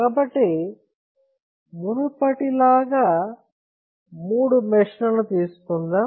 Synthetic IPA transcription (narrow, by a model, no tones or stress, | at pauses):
kaːbɐʈːi | munupɐʈilaːɡaː | muːɽumɛʂnɐnut̪iːsu̥kund̪aː